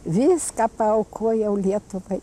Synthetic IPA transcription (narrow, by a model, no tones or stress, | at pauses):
βiskapaokʰojawljet̪opa